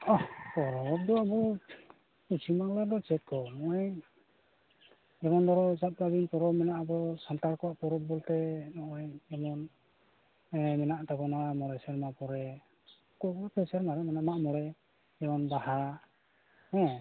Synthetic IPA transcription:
ɔhpɔɾɔp̚d̪ɔabɔ | kut͡ʃʰimaŋlaɾd̪ɔt͡ʃɛt̪̚kɔmɔʔɔj | ɛmɔnd̪ɔɾɔt͡ʃap̚kabinpɔɾɔmɛnaʔabɔsant̪aɾkɔwaʔpɔɾɔp̚bɔlt̪ɛnɔʔɔjɛmɔn | ɛmɛnaʔt̪akɔnɔamɔɽɛsɛɾmapɔɾɛ | kɔkɔapʰɛsɛɾmaɾɛmɛnaʔmaʔmɔɽɛ | ɛmɔnbaha | hɛ̃

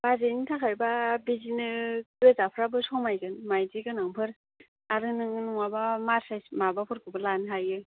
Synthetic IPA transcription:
bazenitʰakʰajbabizinɯwezapʰɾabɯsɔwmajɡɯnmajdiɡɯnaŋpʰɯɾ | aɾɯnɯŋɯnuŋabamasajsmabapʰɔɾkɯbɯlanɦajɯ

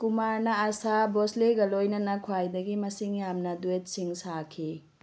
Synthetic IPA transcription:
kumaɾnɐasabosleɡɐlojnɐnɐkʰwajdɐɡimɐsiŋjamnɐduet̚siŋsakʰi

